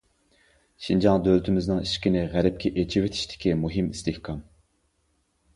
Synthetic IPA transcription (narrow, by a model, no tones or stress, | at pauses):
ʃind͡ʒɑŋd̪ølt̪ʰɪmɪznɨŋiʃkʲinɪʁæɾɛp̚kʲʰɛʔet͡ʃʰiwet̪ʰi̥ʃt̪ʰɪ̥kʲimuɦɨmist̪ɪhkʰɑm